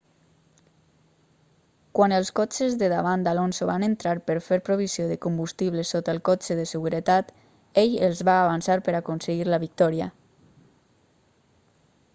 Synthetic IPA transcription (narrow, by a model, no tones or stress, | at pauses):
kwanəlˠskɔt͡ʃezðəðaβand̪alonsoβanənt̪ɾaɾpəɾfeɾpɾoβ̞isioðəkumbust̪iβ̞ləsot̪əlˠkɔt͡ʃəðəsəɣuɾət̪at̪ | eʎəlˠzβaːβansaɾpəɾakonsəɣiɾləβik̚t̪ɔɾiə